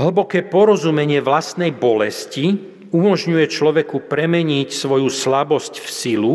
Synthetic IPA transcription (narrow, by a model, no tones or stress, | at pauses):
ɦl̩bɔkɛːpɔɾɔzumɛɲɪɛʋlast̪nɛjbɔlɛsci | umɔʒɲujɛt͡ʃlɔʋɛkupɾɛmɛɲicsʋɔjuslabɔscfsilu